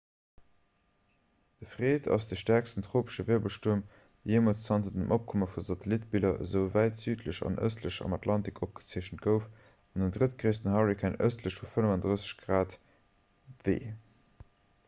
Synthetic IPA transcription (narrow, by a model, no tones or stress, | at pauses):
d̥əfʁ̥eːtʰɑ̰sd̥əʃtæɐkstəntʁoːpə̥ʃəveːbəlʃtuəm | ijeːmot͡st͡sɑntədəmʔop̚kʰoməfuzɑtəlitbilɐəzəʊvæɪtz̥yːtləʃɑ̰nʔə̰stləʃɑ̰mɑtʰlɑntikʰop̚ɡ̥ə̥t͡siəɕənt̚ɡ̥əʊf | ɑndəndʁətɡ̥ʁeːstənhɑʁikʰænə̰stləʃfufənəvɑndʁəsə̥ɕɡ̥ʁaːt | vḛː